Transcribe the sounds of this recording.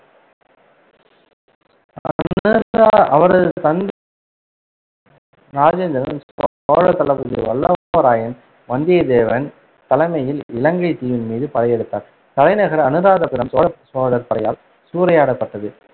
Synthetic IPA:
ɐɐ | ɐʋɐɾɐðɯt̪ɐnd̪ | ɾaːd͡ʒeːnd̪ɐɾɐn | oːɻɐt̪ːɐlɐbɯðɯ̰ʋɐlːɐʋɐɾaːjɐn | ʋɐnd̪ɪjɐd̪eːʋɐn | t̪ɐlɐɪmɐjɪlɪlɐŋɡɐɪt̪iːʋɪnmiːðɯpɐlɐjɛɽɯt̪ːa̰ːɾ | t̪ɐlɐɪnɐɣɐɾɐnɯɾaːðɐpɪɾɐmt̪oːɻɐsoːðɐɾpɐɽɐjaːl | suːɾɐjaːɽɐpːɐʈːɐðɯ

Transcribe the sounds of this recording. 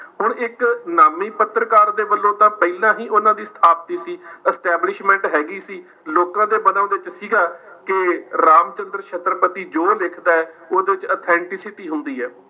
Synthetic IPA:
ɦʊɳɪknaːmiːpət̪ːɾəkaːɾd̪eːbəlːõːt̪ãːpɛilãːɦiːʔʊnãːd̪iːst̪ʰaːp̚t̪iːsiːɛsʈɛːblɪʃmɛ̃ːɳʈɦɛːɡiːsiː | loːkãːd̪eːbənãːd̪eːɪt͡ʃsiːɡaː | kɪɾaːmt͡ʃənd̪əɾkʰət̪ɾəpət̪iːd͡ʒoːlɪkʰd̪aːɛːoːd̪eːʋɪt͡ʃət̪ʰɛ̃ːɳʈɪsɪʈiːɦʊnd̪iːɦɛː

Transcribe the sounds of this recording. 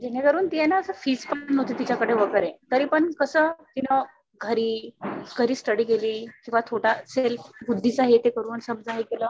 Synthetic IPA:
d͡ʑenekəɾuːnt̪ijɛnaəsəfiːd͡zpanot̪et̪it͡ɕakəɽeʋəɡəɾet̪əɾiːpəɳkəsəːt̪inə | ɡʱəɾiːɡʱəɾiːsʈəɽiːkeliːkĩw̃ʋat̪ʰoʈaselbud̪ʱːit͡saɦet̪ekəɾuːnsəbd͡zaɦekeləː

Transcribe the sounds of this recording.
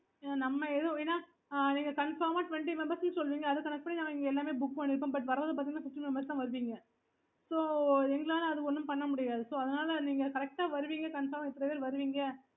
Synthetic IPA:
nɐmːɐeðɐ̃eːnːaː | niːŋɡɐkɐɳfɐɾmaːʈʊʋɛɳʈimɛmbɐɾsnɯsɔlːɯʋiːŋɡɐːðɯkːɐnɛk̚ʈ̚pɐɳːinãːɐɛŋɡɐɛlːaːmeːbʊk̚ːpɐɳːɪɾɯp̬ːẽːmbɐʈ̬ːʋɐɾɐɐðɯpaːt̪iŋɡɐnãːsɪsʈimɛmbɐɾst̪ãːʋɐɾɯʋiːŋɡɐ | soːɛŋɡɐɭaːlɐɐðɯkɔnːɯmpɐɳːɐmʊɽɪjaːðɯsoːɐðɐnaːlɐniːŋɡɐkɐɾɛk̚ʈaːʋɐɾɯʋiːŋɡɐkɐɳfɐɾmɪt̪ːɾɐʋeɾʋɐɾɯʋiːŋɡɐ

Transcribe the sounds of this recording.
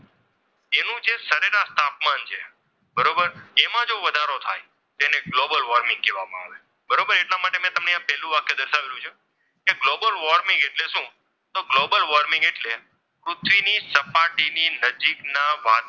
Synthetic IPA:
enũd͡ʒesəɾeɾast̪apmant͡ʃʰe | bəɾobəɾemãd͡ʒoʋəd̪ʱaɾot̪ʰa̰j | t̪eneɡlobəlʋɔɾmɪ̃ŋɡ̚keʋa̰mã̰a̰ʋe | bəɾobəɾeʈlamaʈemɛ̃t̪əmneãpɛɦlũʋakjod̪əɾʃaʋeɾũt͡ʃʰu | keɡlobəlʋɔɾmɪ̃ŋɡeʈleʃũ | t̪oɡlobəlʋɔɾmɪ̃ŋɡeʈle | pɾʊt̪ʰʋinisəpaʈininəd͡ʒiknaʋa̰

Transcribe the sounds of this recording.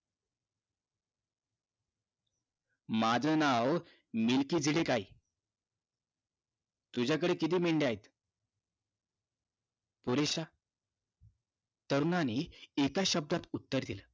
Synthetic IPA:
mad͡zənaʋ | milkiːd͡ziɽekaj | t̪ud͡ʑʱjak̬əɽekit̪̬iːmeɳɖeaɦet̪ | puɾeɕa | t̪əɾnaniekaɕəb̚d̪at̪ut̪ːəɾd̪ilə

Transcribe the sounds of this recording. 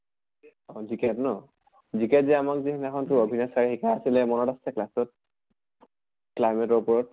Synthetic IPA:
ɔzikɛtnɔ | zikɛzɛamakzikʰnɛkʰɔntuobʱinasaɹixikʰaasilɛmɔnɔtassɛklasɔt̚ | klajmɛtɔɹpɔɹɔt

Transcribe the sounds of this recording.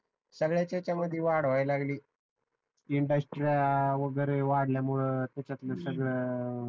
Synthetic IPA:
səɡɭjat͡ɕat͡ɕaməd̪ʱːjeʋaɽʋajlaɡliː | iɳɖəsʈɾiaʋəɡəɾeʋaɽljamuɭət̪jat͡ɕat̪ləsəɡɭə

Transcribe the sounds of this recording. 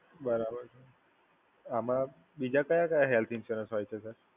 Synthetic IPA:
bəɾabəɾsʰe | amã | bid͡ʒakəjakəjaɦelt̪ʰinsəɾə̃sɦojt͡ʃʰesəɾ

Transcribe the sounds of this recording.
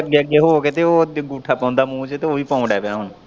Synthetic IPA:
əɡeəɡːeːɦoːket̪eoːɡuːʈʰaːpãːnd̪aːmũːt͡ʃt̪eːoːʋiːpɔ̃ːɖɛːpeaːɦʊn

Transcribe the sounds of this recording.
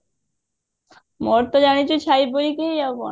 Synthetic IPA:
mɔɾt̪od͡ʑanit͡ɕut͡ɕʰajboɾikeɔbɔ̰

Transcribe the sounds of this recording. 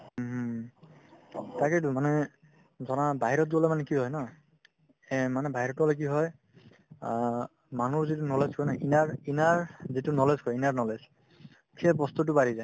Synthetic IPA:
taketʊmanɛ | zɔnabaɦiɹɔt̚ɡɔlɔmanɛkiɦɔjna | manɛbʱaɦiɹɔtɔlok̬iɦɔj | manuɹzitunɔlezkʰɔjnaʔinaɹinaɹzitunɔlezkɔjinaɹnɔlez | kʰɛbɔst̪utʊpaɹizaj

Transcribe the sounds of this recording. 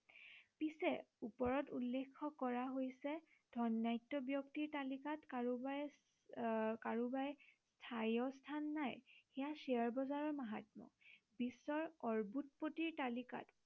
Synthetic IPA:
pisɛupɔɹɔtulːekʰːɔkɔɹaɦojsɛ | d̥ʱɔnːajtːɔbjɔktiɹtalikatkaɹubaj | kaɹubajstʰajɔstʰanːajxɛjasiaɹbɔzaɹɔɹmaɦa̰tmɔ̰ | bisɔɹɔɹbut̚potiɹtalika̰t

